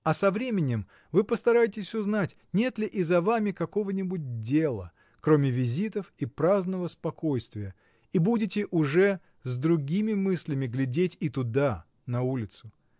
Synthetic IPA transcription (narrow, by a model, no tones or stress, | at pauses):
ɐsɐvɾʲemʲɪnʲɪm | vɨpəst̪ɐɾajɪtʲɪsʲʊznatʲ | nʲe̞t̪lʲɪʔɪzɐvamʲɪkɐko̞vənʲɪbʊt̚ʲdʲe̞lˠə̰ | kɾo̞mʲɪvʲɪzʲit̪əfipɾaznəvəspɐko̞jst̪vʲɪjə | ibudʲɪtʲɪʔʊʐɛ | zd̪ɾʊɡʲimʲɪmɨsʲlʲɪmʲɪɡlʲɪdʲetʲit̪ʊd̪a | nɐulʲɪt̪sʊ